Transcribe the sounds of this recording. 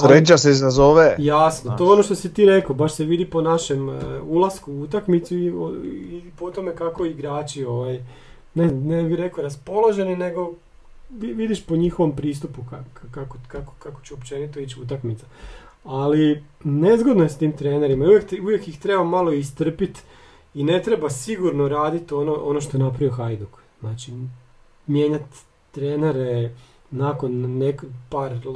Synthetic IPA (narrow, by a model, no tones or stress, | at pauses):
sɾet͡ʃaseizazoʋejasnot̪oeo̞noʃt̪osit̪iːɾe̞kobaʃse̞ʋid̪ipo̞naʃe̞mulˠaskuut̪akmit̪suio̰ipo̞t̪o̞me̞kako̞iɡɾaːt͡ʃioʋaj | nenebiɾe̞koɾaspo̞lˠoʒe̞nine̞ɡo̞ | ʋiʋid̪iʃpo̞ɲixo̞ʋompɾiːst̪upukakakokako̥kako̥t͡ɕuopt͡ʃe̞nit̪o̞it͡ɕut̪̬akmit̪sa | ali | nezɡod̪noje̞st̪iːmt̪ɾe̞ːne̞ɾimaiujekt̪uʋjekjixt̪ɾebamalo̞ist̪r̩pit̪ | ine̞t̪ɾe̞basiɡuɾnoɾaːd̪it̪o̞noʔonoʃ̬t̪oenap̬ɾaʋijoxajd̪uk | znaːt͡ʃi | mje̞ːɲat̪ː | ɾeːneɾe | nakonːekpaɾ